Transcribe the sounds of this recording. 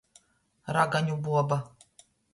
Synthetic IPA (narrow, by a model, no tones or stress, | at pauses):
ɾaɡaɲʲubuaba